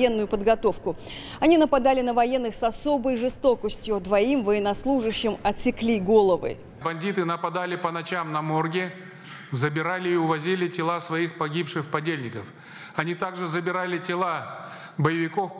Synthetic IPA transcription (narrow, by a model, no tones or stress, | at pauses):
jenːʊjʊpəd̪ɡɐt̪o̞fkʊ | ɐnʲinəpɐd̪alʲɪnəvɐjenːɨxsɐso̞bəjʐɨst̪o̞kəsʲtʲjʊd̪vɐimvəjɪnɐslˠuʐɨɕːɪmɐt̪sʲɪklʲiɡo̞lˠəvɨ̰ | bɐnʲdʲit̪ɨnəpɐd̪alʲɪpənɐt͡ɕamnɐmorɡʲɪ | zəbʲɪɾalʲɪːʊvɐzʲilʲɪtʲɪlˠasvɐixpɐɡʲipʂɨxpɐdʲelʲnʲɪkəf | ɐnʲit̪aɡʐɨzəbʲɪɾalʲɪtʲɪlˠa | bəjɪvʲɪko̞f